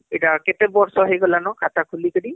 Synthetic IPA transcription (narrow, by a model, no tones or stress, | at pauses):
ɛʈakɛt̪ɛbɔɹsɔɦejɡɔlanɔkʰat̪akʰulikədi